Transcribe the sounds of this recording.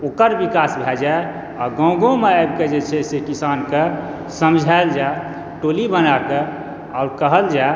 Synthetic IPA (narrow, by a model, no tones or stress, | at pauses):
oːkəɾbikasbʱɛd͡ʒae | ɔɡə̃ɡõmeajbked͡ʒet͡ʃʰɛsekisanke | səmd͡ʒʱaeld͡ʒae | ʈolibənake | aʊɾkəɦəld͡ʒa